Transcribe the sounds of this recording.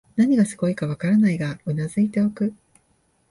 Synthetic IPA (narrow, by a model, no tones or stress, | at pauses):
naɲ̟iɡasɨ̥ɡo̞ikaβakaɾanaiɡaonazɨit̪e̞o̞kɯ̟